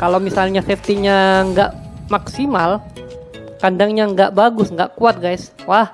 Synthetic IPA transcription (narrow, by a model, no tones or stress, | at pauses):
kalawmisalɲafɛft̪iɲaŋɡaʔmaksimal | kandaŋɲaəŋɡaʔbaɡʊsŋɡaʔkuat̪̚ɡajs | wah